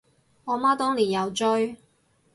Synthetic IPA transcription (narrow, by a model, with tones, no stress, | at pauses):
ɔː˨˧maː˥t̪ɔː˥ŋliː˨˩jɐ˨˧wt͡ʃɵ˥ɥ